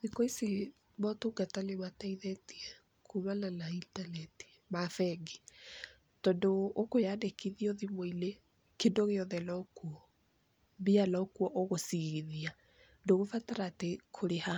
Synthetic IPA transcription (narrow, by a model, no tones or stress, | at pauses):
ðikɔisi | mɔtoɡataleβataiðɛtiɛ | kʰuβananaintanɛti̥ | mafɛɡi | tɔndoːkojadekiðioðimoile | kendoɣeɔðɛlɔkuɔ | bialɔkuɔʔoɣosiɣiðia | doɣofataɾaːtekʰoɾeha